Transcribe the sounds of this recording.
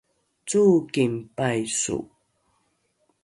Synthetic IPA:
t͡sukimpajsṵ

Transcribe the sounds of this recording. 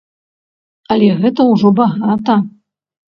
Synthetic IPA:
ɐlʲɛɣɛt̪ɐwʐɔbaɣat̪ɐ

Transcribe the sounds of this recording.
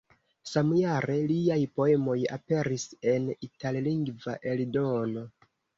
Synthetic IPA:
samjaɾe̞liajpo̞e̞mo̞ja̰pe̞ɾise̞nitalliŋɡva̰ʔe̞ldono̞

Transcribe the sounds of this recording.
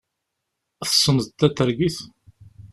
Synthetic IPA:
θə̥sˤːənðt̪ːæt̪ːəɾɡiθ

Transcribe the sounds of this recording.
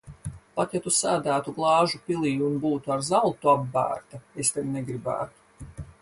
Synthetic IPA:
pat̪jat̪usaːd̪æːt̪uɡlˠɑːʒupʲilˠiːunbuːt̪uaɾzalˠt̪uabːæ̰ːɾt̪aest̪ɛd̪neɡɾibæ̰ːt̪u̥

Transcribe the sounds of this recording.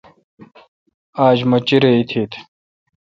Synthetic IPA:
aːd͡ʑmɐt͡ɕiɾeit̪ʰiːt̪ʰ

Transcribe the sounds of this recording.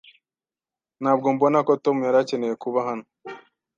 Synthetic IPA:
nhaːbɡo̞mbo̞nako̞to̞mujaɾace̞neje̞kuβaɦano̥

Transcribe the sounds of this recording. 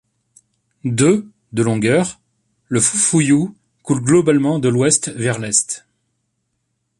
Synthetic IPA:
d̪ø | d̪əlɔ̃ɡœʁ | ləfufuju | kulɡlɔbalmɑ̃d̪əlwɛst̪vɛʁlɛst̪

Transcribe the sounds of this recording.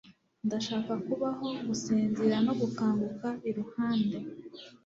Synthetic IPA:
ndaʃaːkakuβaɦo̞ɡusiːnziɾano̞ɡukaːŋɡukaiɾuhaːnde

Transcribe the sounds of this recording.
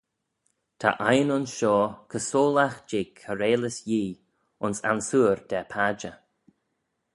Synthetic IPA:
t̪ʰa̰ʔajnʊnʃɔːkʰəsoːlaxd͡ʒɪɡʰəɾeːləsjiː | ʊnsa̰nsuːɹd̪̥ɛpʰad͡ʒə

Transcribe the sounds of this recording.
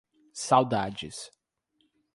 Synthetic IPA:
sawd̪ad͡ʒɪs

